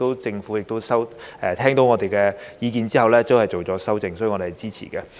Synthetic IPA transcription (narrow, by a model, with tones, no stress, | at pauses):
t̪o˥wt͡sɪ˧ŋfuː˨˥jɪ˨k̚t̪o˥wsɐ˥wʔɛː˨˩t̪ʰɛː˥ŋt̪o˨˧˥wŋɔː˨˧t̪e˨jkɛː˧jiː˨˧kiː˨˧nt͡siː˥hɐ˨˩wlɛː˥to˥whɐ˨jt͡so˨wt͡sɔː˨˥sɐ˥wt͡sɪ˧ŋsɔː˨˥˨ɔː˨˧e˨˩jt͡siː˥t͡sʰḭː˨˩kɛ˧